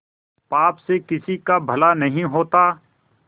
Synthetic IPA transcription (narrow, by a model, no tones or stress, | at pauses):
paːpsekɪsikabʱɐlanɐɦĩɦoːt̪aː